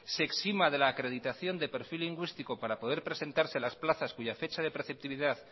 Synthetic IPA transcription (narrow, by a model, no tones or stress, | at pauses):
se̞ksimaðe̞laːkɾeð̞it̪aθjo̞nd̪e̞pe̞ɾfilːiŋɡwist̪ikopaɾapo̞ð̞e̞ɾpɾe̞se̞nt̪aɾse̞lasplaθaskuʝafe̞t͡ʃað̞e̞pɾeθe̞p̚t̪iβiðað